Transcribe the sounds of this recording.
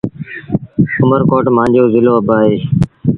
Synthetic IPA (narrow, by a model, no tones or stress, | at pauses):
ʊməɾkoːʈmãːnd͡ʒoːzɪloːəbaːɦeː